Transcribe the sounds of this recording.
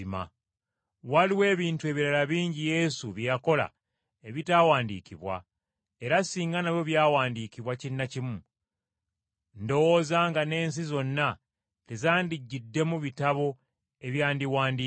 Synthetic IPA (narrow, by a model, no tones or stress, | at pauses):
ma̰ | waliwe̞ːβiːntue̞ːβiɾalaβiːɲɟije̞suβjjako̞la̰ | eβitawaːndḭːkiβwa̰ | e̞ɾasiːŋɡanaβjo̞βjaːwaːndiːkiβwacinːacimu | ndo̞wozaŋɡane̞ːns̬izo̞nːa | lezaːndiɟːidːe̞muβitaβo̞ | e̞βjaːndiwaːndi